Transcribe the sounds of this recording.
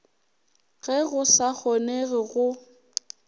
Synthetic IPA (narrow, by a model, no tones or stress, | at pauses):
ɣɛɣʊsak͡xʰɔneɣɪɣʊ